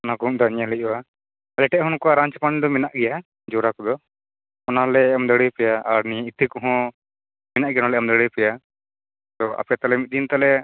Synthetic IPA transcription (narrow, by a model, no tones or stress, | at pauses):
ɔnakɔ̃d̪ɔɲalɛʔ̚wa | lɛʈɛʔɦɔnkɔaɾaɲt͡ʃpand̪ɔmɛnaʔɡɛja | d͡ʒɔɾakɔd̪ɔ | ɔnalɛɔmd̪əɽijpɛjaaɾniit̪ʰikɔɦɔ̃ | mɛnaʔɡɛjaɔnalɛɔmd̪əɽɛjpɛja | t̪ɔa̰pɛjat̪alɛmit̪̚d̪int̪alɛ